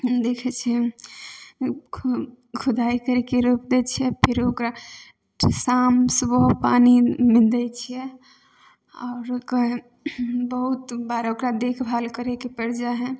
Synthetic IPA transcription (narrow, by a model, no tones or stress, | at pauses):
d̪ekʰɛt͡ʃʰɛ | kʰud̪aikəɾɛkeɾupd̪ɛt͡ʃʰiɛpʰiɾokɾa | samsubəɦpanimild̪ɛt͡ʃʰijɛ | ɔ̰ːɾkəɦ | bəɦut̪baɾokɾad̪ekʰbʱalkəɾekepəɾd͡ʒaɦɛ̃